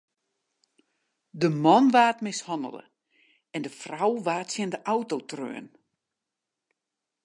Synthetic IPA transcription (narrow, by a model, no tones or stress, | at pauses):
dəmɔnʋaːtmɪshɔndə̰lˠə̰ | ɛndəfrawʋaːtsjɪndəʔawtowtrø̰ːn